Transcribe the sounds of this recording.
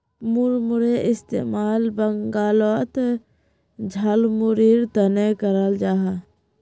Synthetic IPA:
mʊɾmʊɾeʔɪst̪ḛmaːlbəŋɡaːlot̪ | d͡ʒʱəlmʊɾiːɾt̪ənekəɾəld͡ʒaːɦa

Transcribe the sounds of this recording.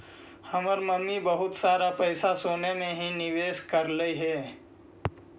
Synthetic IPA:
hɐməɾməmːibəɦʊt̪saːɾapəɪsasoːnemẽɦinɪʋeːʃkəɾləiɦɛː

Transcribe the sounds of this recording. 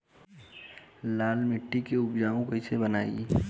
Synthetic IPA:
laːlmɪʈːikeʊbd͡ʒaːõkoɪsebənaːḭ

